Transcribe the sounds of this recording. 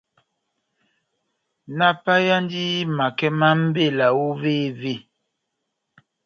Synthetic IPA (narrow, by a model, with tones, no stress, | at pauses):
na˦pa˦ja˦n˦di˦ma˨kɛ˦ma˦m̩˦be˦˨la˨wo˦ve˦˨ve˦˨